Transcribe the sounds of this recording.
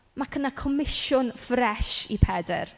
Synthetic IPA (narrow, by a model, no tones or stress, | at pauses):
makʰənakʰɔmɪʃʊnfrɛʃipʰɛdɛ̰r